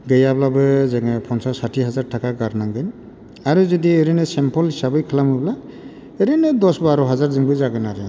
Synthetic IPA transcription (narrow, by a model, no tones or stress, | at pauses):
ɡɯjablabɯzeŋɯpʰɔnsasatʰiɦazaɾtʰakaɡaɾnaŋɡɯn | aɾuzɔdieɾenɯsempʰɔlɦisabɯjkʰɯlamɯbla | eɾenɯdɔsbaɾɔɦazaɾzɯŋbɯzaɡɯnaɾɯ